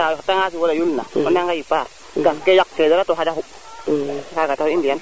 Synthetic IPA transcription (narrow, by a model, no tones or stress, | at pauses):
ajɔtaŋas̬iwolajulnaɔnːaŋɡajipaɾ | ɡankejak̚fedaɾatoɦadahu | kakatahuindijan